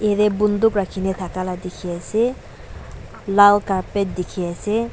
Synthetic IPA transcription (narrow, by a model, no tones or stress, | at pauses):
ed̪ebund̪ukɾakʰinet̪ʰakalad̪ikʰiɛse | lalkaped̪ikʰiɛse